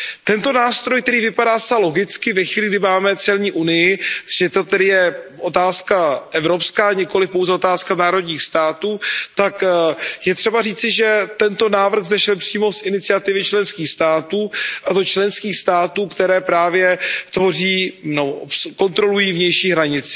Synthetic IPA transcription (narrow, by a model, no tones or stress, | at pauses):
t̪ɛnt̪o̞naːst̪ɾojk̚t̪ɛɾiːvɪpadaːsaalo̞ɡɪt͡skɪvɛxviːlɪɡdɪmaːmɛt͡sɛlɲiːʔunɪjɪʒɛt̪ot̪ɛdɪjɛʔo̞t̪aːskaʔɛvɾo̞pskaːɲɪko̞lɪfpo̞wzɛo̞t̪aːskanaːɾo̞d̪ɲiːxst̪aːt̪uːt̪akjɛt̪r̥ɛbariːt͡sɪʒɛt̪ɛnt̪o̞naːvr̩ɣzɛʃɛlpr̥iːmo̞sʔɪnɪt͡sɪat̪ɪvɪt͡ʃlɛnskiːxst̪aːt̪uːʔat̪ot͡ʃlɛnskiːxst̪aːt̪uːkt̪ɛɾɛːpɾaːvjɛt̪vo̞riːnobko̞nt̪ɾo̞lujiːvɲɛjʃiːɦɾaɲɪt͡sɪ̥